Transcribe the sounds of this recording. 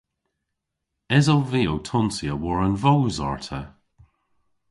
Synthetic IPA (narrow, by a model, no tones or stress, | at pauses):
ɛzɔwviːowtʰɔnsiəwɔɹənvowzɔ̰ɹtʰə